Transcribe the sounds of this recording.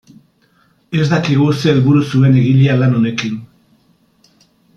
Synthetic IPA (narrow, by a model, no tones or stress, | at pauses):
e̞zd̪akiɣ̞use̞ːlβuɾusue̞ne̞ɣiʎialano̞ne̞kin